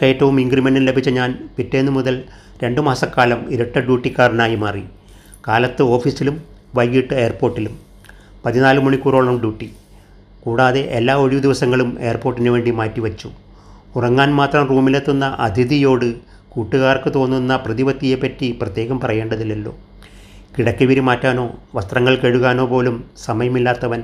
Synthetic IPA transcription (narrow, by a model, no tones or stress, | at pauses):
keːtːɐʋumiŋɡrimeɳɖinlebʱit͡ɕːɐɲaːnpitːe̞ːnːɨmuðɐl | ɾe̞ɳɖɨmaːsɐkːaːlɐmiɾɐʈːɐɖjuːʈːikːaːrnaːjimaːri | kaːlɐt̪ːɨo̞ːfisilum | ʋɐjɡiʈːɨe̞ːrpo̞ːrʈːilum | pɐðinaːlɨmuɳikuːro̞ːɭɐmɖjuːʈːi | kuːɽaːðe̞ʔelːaːoɻiʋɐd̪iʋɐsɐŋːɐɭume̞ːrpoːrʈːinɨʋe̞ːɳɖimaːtːiʋɐt͡ɕːu | urɐŋːaːnmaːt̪rɐmruːmilet̪ːunːɐʔɐd̪ʱiðijo̞ːɽɨ | kuːʈːuɣaːrkɨt̪o̞ːnːunːɐprɐðiʋɐt̪ːijepːɐtːiprɐt̪je̞ːɣɐmpɐrɐjeːɳɖɐðilːɐlːo̞̰ː | kiɽɐkːiʋiɾimaːtːaːno̞ːʋɐst̪rɐŋːɐɭkeɻuɣaːno̞ːpo̞ːlumsɐmɐjɐmilːaːt̪ːɐʋɐn